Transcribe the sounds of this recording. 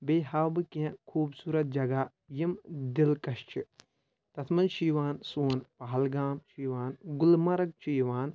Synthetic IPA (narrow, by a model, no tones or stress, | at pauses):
beːɦaːbɨkiɐ̃kʰuːbsuːɾɐt̪̚d͡ʒɐɡaː | jimd̪ilkɐʃt͡ʃʰi | t̪ɐt̪ʰmɐnʃiʋaːnsuːnpaɦɐlɡaːmʃiːʋaːnɡʊlmɐɾɐk̚t͡ʃiːʋaːn